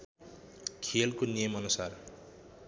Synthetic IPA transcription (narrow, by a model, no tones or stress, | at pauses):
kʰelkonijʌmʌnusar